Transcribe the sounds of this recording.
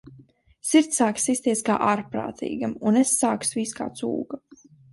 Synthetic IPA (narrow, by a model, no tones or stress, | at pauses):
siɾt̪saːksisʲt̪iɛskaːʔaɾpɾa̰ːt̪ʰḭːɡamunesːaːksviːska̰ːt̪sṵːɡ̥a